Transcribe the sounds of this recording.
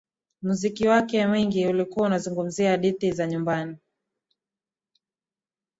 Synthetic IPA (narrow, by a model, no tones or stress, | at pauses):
muzikiwakɛmwiŋɡiulikuwaunazuŋɡum̩ziaɗitizaɲumbani